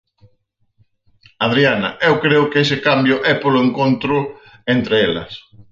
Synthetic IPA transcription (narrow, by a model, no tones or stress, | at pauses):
aðɾianɐ̰ewkɾeʊkɪesɪkambjʊʔɛpolʊeŋkont̪ɾʊ | ent̪ɾeelɐ̰s